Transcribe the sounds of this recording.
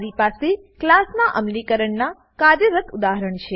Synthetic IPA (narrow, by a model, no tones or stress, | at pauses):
ɾipase | klasnaʔəmlikəɾəɳna | kad̪əɾət̪ʰud̪aɦəɾəɳt͡ʃʰe